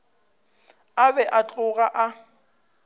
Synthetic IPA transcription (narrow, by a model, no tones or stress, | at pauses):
abɛʔat͡ɬʼʊɣaʔa